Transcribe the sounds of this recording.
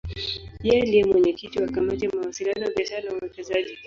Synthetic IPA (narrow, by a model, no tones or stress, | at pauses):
pialiɛmwɛɲɛkitiwakamatiamawasilianɔwabiaʃaɾanawuwɛt͡ʃɛzaʄi